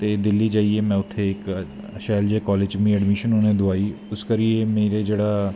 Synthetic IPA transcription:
t̪eːd̪ɪlːiːd͡ʒaːieːmɛ̃ːʊt̪ʰːeːɪk | ʃɛːld͡ʒeːkɔːled͡ʒmĩːɛɖmɪʃənoːneːd̪ʊaːiː | ʊskəɾieːmeːɾeːd͡ʒeːɽaː

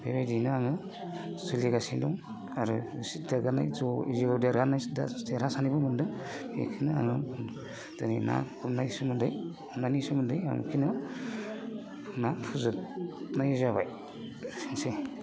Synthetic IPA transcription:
bebajdinɯaŋɯ | sɯliɡasindɔŋ | aɾusidaɾɡana̰jzɔiziɔdijaɾɡanajda̰tʰeɾasanibɯmɯndɯŋmḛkʰɯnɯa̰ŋɯ | zɯnina̰kʰumnajisumɯndɯj | umnanisumɯndɯja̰ŋɯ̰kʰinɯ | pʰunapʰuzɯtnajzaβa̰j | sinse

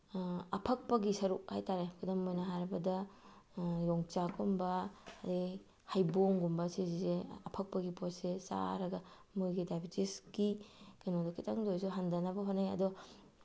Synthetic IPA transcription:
ɐpʰɐk̚pɐɡisɐɾuk̚ha̰jtaɾekʰudɐmojnɐɦaɾɐbɐdɐ | jɔŋt͡ʃaɡumbɐːdi | hajboŋɡumbɐsizizeɐpʰɐk̚pɐɡiposesa̰ɾɐɡɐ | mujɡidajbitisɡikanodɐkʰitʰɐŋdojsuɦandɐnɐbɐɦonaɐ̰dɔ

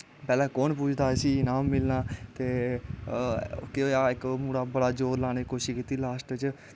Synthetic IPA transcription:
pɛːlãːkɔːnp̬uːt͡ʃʰd̪aːsiːnaːmːɪlnaːt̪eː | kɪoːaːɪkmuːɽaːbəɽaːd͡ʒoːɾlaːñeːkoːʃiːkiːt̪ːiːlaːsʈət͡ʃ

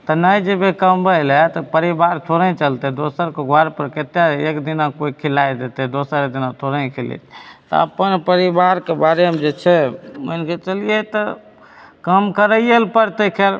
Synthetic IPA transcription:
t̪ɔnəjd͡ʒebekəmbəlɛt̪ɔpəɾibaɾt̪ʰoɾə̃t͡ʃəlt̪ɛd̪osəɾkeɡʱaɾpəɾket̪jaekd̪inakoikʰilajd̪et̪ɛd̪osəɾek̚d̪inat̪ʰoɾə̃kʰilḭt̪t̪ɔ̰ə̰pənpəɾibaɾkebaɾemd͡ʒet͡ʃʰɛmoinket͡ʃəlijet̪ɔ | kəmkəɾəjjəlpəɾt̪əkʰeɾ

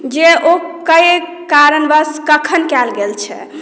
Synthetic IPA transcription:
d͡ʒeʔokəj | kaɾənbəskəkʰənkɛlɡelt͡ʃʰɛ̰

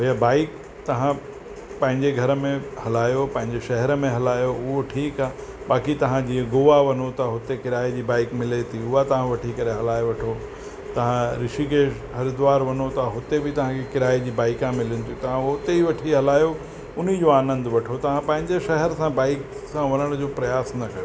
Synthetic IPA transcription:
ɦɐjabaːɪk | t̪ɐʋ̤ã | pɐ̃ɦɪ̃ɲd͡ʑeɡʱɐɾəmẽhɐlaːjopɐ̃ɦɪ̃ɲd͡ʑeʃɐɦɛɾəmẽɦɐlaːjoʊɦoʈʰiːkaː | baːkit̪ɐʋ̤ãd͡ʑiːẽɡʊʋaʋɐnot̪aɦʊt̪ekɪɾaːed͡ʑiːbaːɪkmɪlet̪ʰiʊɦat̪ɐʋ̤ãʋɐʈʰikɐɾeɦɐlaːjoʋɐʈʰo | t̪ɐʋ̤ãɾɪʃikʰe | ɦɐɾɪd̪ʊʋaːɾʋɐnot̪ɐɦʊt̪ebɪt̪ɐʋ̤ãkʰekɪɾaːid͡ʑiːbaːɪkãmɪlɪnɪ̆t̪ʰiũt̪ɐʋ̤ãɦʊt̪eiʋɐʈʰiɦɐlaːjo | ʊnid͡ʑoaːnə̃nd̪ʋɐʈʰot̪ɐʋ̤ãpɐ̃ɦɪ̃ɲd͡ʑeʃɐɦɛɾsãbaːɪk | sãʋɐnəɽ̃d͡ʑoːpɾɐjaːsnɐkɐjo

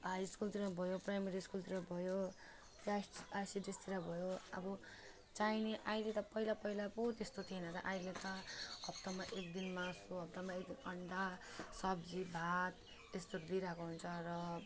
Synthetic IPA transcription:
ɦajskult̪iɾabʱʌjoprajmeɾiskult̪iɾabʱʌjo | pasasiɖest̪iɾabʱʌjoʌ̰bʌ | t͡sajneʔajlet̪ʌpʌilapʌilapot̪est̪ot̪ʰienʌt̪ʌ̰ʔajlet̪ʌɦʌp̚t̪amaʔekd̪inmasuɦʌp̚t̪amaek̚d̪inʌɳɖ̪asʌb̚d͡zibʱat̪ | est̪oɾd̪iɾakoɦunt͡sʰʌrʌ

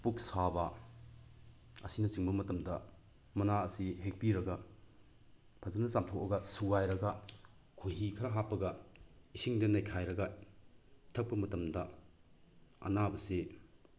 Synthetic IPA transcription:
puk̚sabɐ | ɐ̰sinɐsiŋbɐmɐtɐmdɐ | mɐnaɐsiɦek̚piɾɐɡɐ | pʰɐzɐnɐsamtʰokɐɡɐsuɡajɾɐɡɐ | kʰojɦikʰɐɾɐɦapːɐɡɐ | isiŋdenɐjkʰajɾɐɡɐ | tʰɐk̚pɐmɐtɐmdɐ | ɐ̰nabɐse

